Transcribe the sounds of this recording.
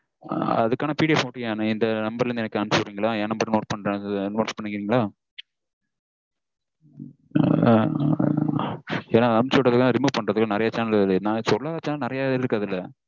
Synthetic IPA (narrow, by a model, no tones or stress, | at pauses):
ɐ̰ðɯkːaːnɐpiːɽiepoːʈːɪŋaːnɐɪnd̪ɐnɐmbɐɾɪlɾɯnd̪ɛnɐkːɯɐmsɾiːŋɡɐlaːeːnɐmbɐɾnoːʈ̚pɐɳːɾẽnoːtpɐɳːɪŋɡɪɾiːŋɡɐɭaː | eːnaːɐmt͡ʃːɔːɐðɯkːãːɾɪmuːʋ̚pɐɳɾɐðɯkːnɪɾɐjɐt͡ʃaːnɐllnasɔlːaːɐt͡ʃaːnɐnɪɾɐjaːɪɾɯkːɐðɪlːɐ